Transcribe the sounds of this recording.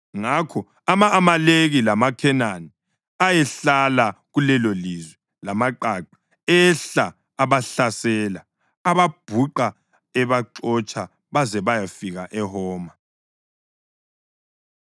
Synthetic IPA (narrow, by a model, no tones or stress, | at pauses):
ŋakʰɔ | amaːmaleɣilamakʰɛnani | ajɛɬalaɣulɛlolizwɛ | lamaǃaǃḁ | ɛɬaː | βaɬasɛla | aβab̥ʱuǃa | ɛβaǃɔt͡ʃʰʼa | βazɛβajafiɣaʔɛhɔːma